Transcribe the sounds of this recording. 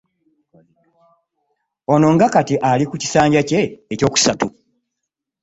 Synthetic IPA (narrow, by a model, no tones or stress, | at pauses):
o̞no̞ŋɡakatiʔalikuci̥saːɲɟace̞ːco̞ːku̥satu